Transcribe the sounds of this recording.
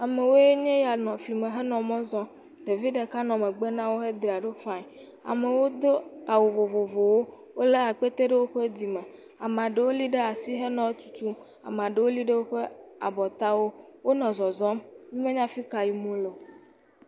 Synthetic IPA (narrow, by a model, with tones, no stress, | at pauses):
a˨me˨wo˦je˦ɲẽ˦ja˨nɔ̃˨fli˨mẽ˨ɦe˦nɔ̃˨mɔ̃˦zɔ̃˦ | ɖe˨vi˦ɖe˨ka˦nɔ̃˨me˨ɡ͡be˦nã˦wo˦ɦe˦d̪ɾi˨a˨ɖe˦fã˦˨ | a̰˨me˨wo˦d̪o˦a˨wo˨vo˨vo˨vo˨wo˦ | wo˦le˦a˨k͡pe˦t̪e˦ɖe˦wo˦ɸe˦d̪i˨mẽ˨ | a˨m˨ã˨ɖe˨wo˦li˦ɖe˦a˨si˦ɦe˦nɔ̃˨e˦t̪u̥˨t̪u˦m | a̰˨m˨a˨ɖe˨wo˦li˦ɖe˦wo˦ɸe˦a˨bɔ˨t̪a˦wo˦wo˦nɔ̃˨zɔ˨zɔ̃˦mɲĩ˦mẽ˦ɲã˦fi˦ka˨ji˦mõ˦lo˨